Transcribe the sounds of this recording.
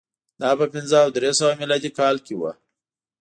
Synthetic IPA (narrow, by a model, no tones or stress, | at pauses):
d̪ɑpəpɪnzəawd̪ɾesawamilɑd̪ikɑlkewa̰